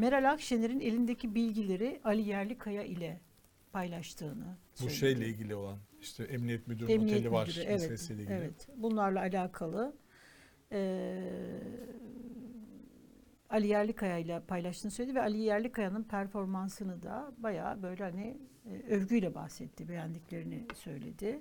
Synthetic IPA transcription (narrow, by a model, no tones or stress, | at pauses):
meɾalʲakʃeneɾine̞lʲind̪ecibilʲɟilʲe̞ɾɪʔalʲijæɾlʲikʰːajaʔilʲɛ | pʰajlˠaʃt̪ʰɯːnɯsbueʃeejlʲɛilʲɟʲilʲio̞lˠaniʃt̪ʰɛʔɛmnijɛt̪myd̪yɾɛmniɛlʲɛmvaɾd̪yɾevɛt̪ɛseleevɛt̪bunlˠaɾlˠaːlʲaːkʰalˠɯ | ɛː | alʲijæɾlʲikʰajailʲˠɛpʰajlˠaʃt̪ɯːnsøjlʲed̪ivɛalʲijæɾlʲikʰːajanɯnpʰæɾfo̞ɾmansɯnɯd̪abaja̰ːbø̞jlʲɛhanɪ | øɾɟyjlʲɛba̰xsɛt̪ʰːɪbejænd̪ʲiclʲe̞ɾinɪsø̞jlʲe̞̰d̪ɪ